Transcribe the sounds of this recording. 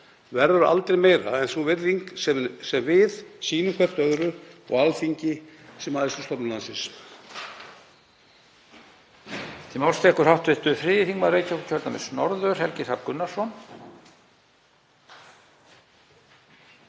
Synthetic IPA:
vɛɾðʏɾʏʔa̰lt̪ɾejmeːjɾaɛnsuvɪɾðiŋksɛmsɛmvɪðsiːnʏmkʰvɛr̥t̪œðɾʏɔɣalfiɲcɪsɛmaːðɪst̪ʏst̪ɔpnɪlansɪns | t̪ʰimɔwlst̪ʰɛhkʏɾ̥hawht̪vɪht̪ʏfɾɪːjɪθiŋkmareːjcawkcʰœɾt̪amɪsnɔɾðœɾ̥hɛlcɪsapkʏnːasɔn

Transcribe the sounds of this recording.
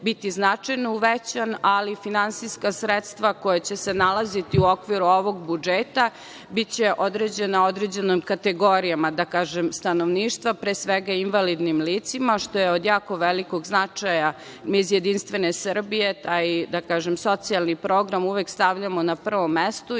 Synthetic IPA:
bit̪iznat͡ʂajnouʋet͡ɕanalifinansijskasɾet̪st̪ʋako̞jet͡ɕesenalˠazit̪iuokʋiɾuo̞ʋo̞ɡbud͡ʒeːt̪a | bit̪t͡ɕeʔo̞d̪ɾed͡ʑe̞nao̞d̪ɾed͡ʑe̞nomkat̪eɡo̞ɾijamad̪akaːʒemst̪anoʋniːʃt̪ʋapɾesʋeɡainʋalid̪nimliːt̪simaʃt̪o̞jeod̪jaːko̞ʋeliko̞ɡznat͡ʂaja | mizjed̪inst̪ʋe̞nesr̩bije̞t̪aːjd̪akaːʒemso̞t̪sialnipɾo̞ːɡɾamuʋekst̪aʋʎamonapr̩ʋo̞mːest̪u

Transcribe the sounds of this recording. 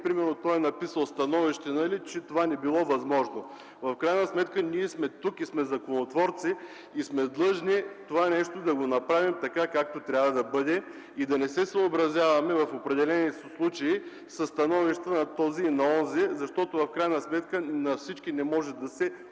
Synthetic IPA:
pɾimɛɾnot̪ɔjɛnɐpisəlˠst̪ɐnɔviʃt̪ɛnɐlit͡ʃɛt̪ovanɛbilˠɔvɐzmɔʒno | vɐfkɾajnəsmɛt̪kəniɛsmɛt̪ukismɛzɐkonot̪vɔɾt̪siː | smɛd̪lˠɤʒnit̪ovanɛʃt̪od̪ɐɡonɐpɾavimt̪ɐkakak̚t̪ot̪ɾʲavɐd̪ɐbɤd̪ɛ | id̪ɐnɛsɛsəːbɾɐzʲjavɐmɛvɐfopɾɛd̪ɛlɛnisslˠut͡ʃɐi | sɐst̪ɐnɔviʃt̪ənɐt̪ɔzinɐɔnzɛzɐʃt̪ɔt̪ʊvɐfkɾajnɐsmɛt̪kənɐfsit͡ʃkinɛmɔʒɛd̪ɐsɛ

